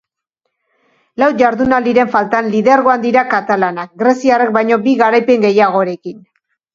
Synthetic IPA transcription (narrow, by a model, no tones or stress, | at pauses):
lawʝaɾðunald̪iɾe̞ɱfalt̪anliðeaɾɣo̞and̪iɾakat̪alanak̚ɡɾe̞siarek̚bajɲo̞biɣaɾajpe̞ŋɡe̞jaɣ̞o̞ɾe̞kin